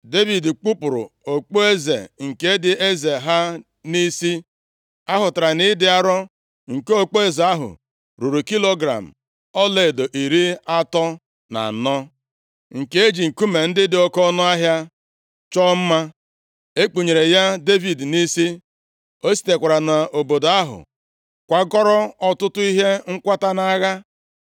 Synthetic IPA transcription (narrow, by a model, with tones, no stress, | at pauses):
de˦vi˨dk͡pu˦pʊ˨ɾʊ̰˨o˨k͡po˦e˦zḛ˨ŋ̩˨ke˦dɪ˦e˦ze˨ɦa˦ | ni˦si˦ | a˦ɦʊ˨ta˨ɾa˨ni˦dɪ˦a˦ɾɔ˦ | ŋ̩˨ke˦o˦k͡po˦e˦ze˨a˦ɦʊ̰˨ | ɾu˨ɾu˨ki˦lo˦ɡɾa̰˨m̩˨ | ɔ˦le˦˨do˨ʔi˨ɾi˦a˦tɔ˦ | na̰˨nɔ˦ | ŋ̩˨ke˦e˦d͡ʒi˨ŋ̩˨ku˦me˨n̩˦dɪ˦dɪ˨ɔ˦kɔ˦nɔ˦a˦ɦja˦ | t͡ʃɔ˦m̩˦ma˦ | e˦k͡pu˨ɲe˨ɾe˨ja˦de˦vi˨dni˦si˦ | o˦si̥˨te˨kʷa˨ɾa˨na˨o˨bo˨da˦ɦʊ̰˨ | kʷa˨ɡɔ˦ɾɔ˦ɔ˦tʊ˦tʊ˦i˦ɦe˦ŋ̩˦kʷa˦ta˦na˦ɣa˦